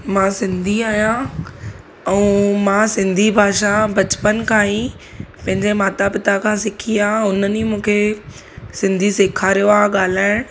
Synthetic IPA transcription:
mãsɪ̃nd̪ʱiaːijã | ɛ̃mãːsɪ̃nd̪ʱibʱaːʃabɐt͡ɕpənkʰãːĩ | pɐ̃ɦɪ̃ɲd͡ʑemaːt̪apɪt̪akʰãːsɪkʰiaʊnənimũːkʰe | sɪ̃nd̪ʱisɪːkʰaɾijoaɠaːl̤aːɪ̃ɽ̃

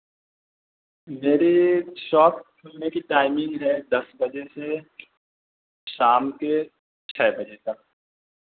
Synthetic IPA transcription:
meːɾeʃɔːp̚kʰʊlnekiʈaːɪmɪ̃ŋɡɦɛd̪ɐsbɐd͡ʒese | ʃaːmke | t͡ʃʰɛːbɐd͡ʒet̪ɐk̚

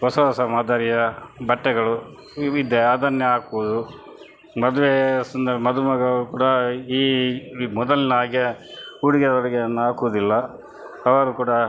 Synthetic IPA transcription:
ɦɔsɐɦɔsɐmaːd̪ʱaːɾijɐbɐʈːɛɡɐɭu | id̪eaːd̪ɐnjɐaːkuʋud̪u | mɐd̪ʋesɐnd̪ɐɾɐmɐd̪umɐɡɐʋɐɾukuːɽɐiːmɔd̪ɐlinɐaːɡiɐuɽiɡɛd̪ɐɐɾɐɡeɐnːuaːkuʋud̪ilːɐ | ɐʋɐɾukuːɽɐ

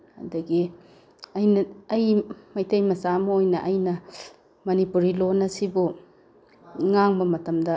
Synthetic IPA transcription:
ɐ̰dɐɡi | ɐjnɐɐjmɐjtejmɐsamɐojnɐʔɐjnɐ | mɐnipuɾilonːɐsibu | ŋaŋbɐmɐtɐmdɐ

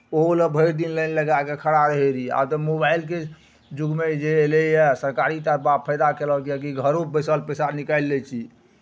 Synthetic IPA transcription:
oləbʱəjɾd̪inlənləɡakekʰəɽaɾəɦeɾia̰bt̪ɔmobajlk̬e | d͡ʒuɡmed͡ʒelejɛsəɾkaɾit̪əɾpapʰəjd̪akelɔkjɛk̬iɡʱəɾubəsəlpesanikajlːɛt͡ʃʰi

